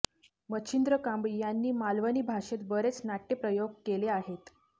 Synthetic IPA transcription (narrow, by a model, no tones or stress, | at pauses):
mət͡ɕʰind̪ɾəkambijanːiːmalʋəniːbʱaʂet̪bəɾet͡snaʈːepɾəjoɡ̚keleaɦet̪